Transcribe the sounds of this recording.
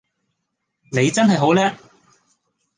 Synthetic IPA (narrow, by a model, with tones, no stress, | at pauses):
ne˨˧jt͡sɐ˥nɦɐ˨jɦo˨˥wlɛː˥